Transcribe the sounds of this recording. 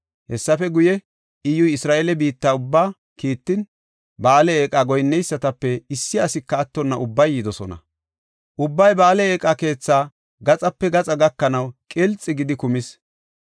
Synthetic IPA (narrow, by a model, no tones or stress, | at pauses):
hɛsːɐfɛɡʊjɛ | ɪjʊjɪsɾaːʔeːlɛbiːt̪ːaːʊbːaː | kiːt̪ːɪn | baːlɛeːkʼaːɡɔjnːɛjsːɐt̪ɐpːɛɪsːɪɐsɪkːɐːt̪ːɔnːɐʔʊbːɐjːɪd̪ɔsɔnɐ̰ | ʔʊbːɐjbaːlɛeːkʼake̞ːt͡sːaː | ɡɐt͡sʼɐpːɛɡɐt͡sʼɐɡɐkːɐnɐwkʼɛlt͡sʼːɪɡɪd̪ɪkʊmɪs